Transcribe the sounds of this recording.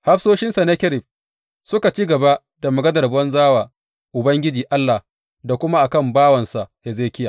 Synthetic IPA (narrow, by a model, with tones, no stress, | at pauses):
ha˦ɸsoː˦ʃɪ˦nsa˨na˦kʲɪ˦ɾɪ˨ɸ̚ | sʊ˦ka˨t͡ʃiː˦ɡɐ˨ba˦ʔ | da˨mʊ˨ɡɐ˦dɐ˨rbɔ˦nzaː˦waː˨ | ʔʊ˨bɐ˦ŋɡʲɪ˦d͡ʒiː˨ʔa˦lːa˨h | da˨kʷʊ˦ma˦ʔa˨kɐ˦˨mbaː˦wɐ˨nsa˨ʔhe˨zeː˦˨kʲɪ˦jaː˨